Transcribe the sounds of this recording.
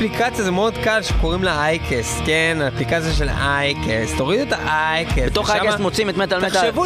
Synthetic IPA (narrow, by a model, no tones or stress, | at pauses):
plikʰat͡sjazemeod̪kalʃekoʁimleajkʰeskenaːplikat͡sjaʃelajkest̪o̞ʁid̪et̪aʔajkeet̪oχajkesmot͡simet̪met̪almeʃevu